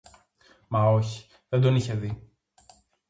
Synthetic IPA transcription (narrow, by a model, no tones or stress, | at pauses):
mɐo̞çi̥ | ðend̪oniçe̞ði